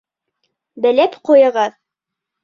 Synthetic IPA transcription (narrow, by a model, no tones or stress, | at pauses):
bɘ̆læpqujɤ̆ʁɑð